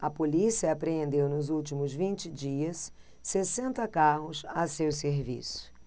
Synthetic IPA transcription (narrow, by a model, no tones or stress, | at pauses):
ɐpolisiɐːpɾeẽnd̪ewnʊzuwt͡ʃimʊzvĩnt͡ʃɪd͡ʒiɐsː | esẽnt̪ɐkaɦʊsɐsews̬eɾvḭsʊ̥